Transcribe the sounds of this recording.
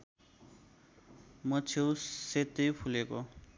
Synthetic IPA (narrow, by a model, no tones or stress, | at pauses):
mʌt͡sʰewset̪ːʌjpʰuleko